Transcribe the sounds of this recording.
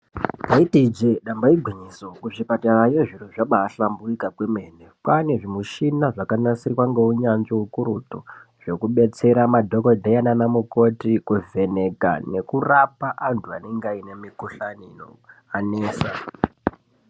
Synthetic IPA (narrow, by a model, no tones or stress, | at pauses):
taitid͡ʒeɗambaiɡʱwiɲisokuʐipatarajeʐiroʐaɓaɬambuikakwemenekwaneʐimuʃinaʐakanasirwaŋɡeuɲand͡ʒoɦukuɾutoʐ̥e̞kuɓe̞t͡se̞ɾamadʱokodʱajananamuko̞tikuve̞ne̞ka̰ne̞kurapaʔantʰuane̞ŋɡaine̞mikuɬanino̰ | aneːsa